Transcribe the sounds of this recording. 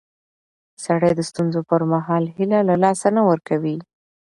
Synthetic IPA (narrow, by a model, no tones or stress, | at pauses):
saɽəjd̪əst̪unzopəɾmaɦɑlhilalalɑsanawəɾkawi